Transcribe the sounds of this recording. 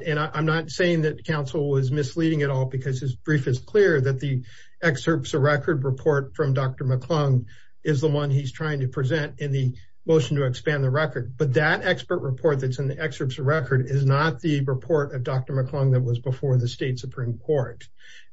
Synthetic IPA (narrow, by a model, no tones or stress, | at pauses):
ɨ̃ñaʔãɪ̃mnətseɪɪ̃ŋðɨt̚kʰãʊ̃nsl̩ˠwʌzmɨsliɾɪ̃ŋɨɾɔlˠbɨkʰʌz̥ɨzb̥ɹifɨskʰl̥ɪɹðɨt̪̚ði | ɛksɜ˞psəɹɛkʰə˞d̚ɹɨpʰɔɹtfɹʌ̃mdɑk̚tə˞məkʰl̥ʌ̃ŋ | ɪzðəwʌ̃niz̥tʰɹ̥aɪɪ̃ŋtʰɨpʰɹ̥izɛ̃ntɨ̃nðɨ | moʊʃn̩tʰɨɨkspæ̃nðəɹɛkə˞d̚b̥ʌt̪̚ðɨɾɛkspə˞ʔ̚ɹəpʰɔɹt̪̚ðɨtsɨ̃nðiʔɛksə˞psəɹɛkʰə˞ɾɪznət̪̚ðɨɹɨpʰɔɹɾʌvdɑk̚tə˞mɨkʰl̥ʌ̃ŋðɨt̚wʌzbəfɔɹðɨsteɪtsɨpʰɹ̥ĩmkʰɔɹt̚